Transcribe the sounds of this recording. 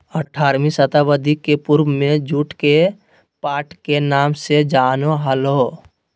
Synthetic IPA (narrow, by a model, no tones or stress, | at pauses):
əʈʰːaːɾmisət̪abəd̪ʱikːepuɾbmẽd͡ʒuʈʰke | paːʈkenaːmsed͡ʒaːnoɦəloː